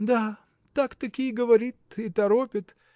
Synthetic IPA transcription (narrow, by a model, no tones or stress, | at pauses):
d̪a | t̪akt̪ɐkʲijɡəʋɐɾʲit̪ɪt̪ɐɾopʲɪt̪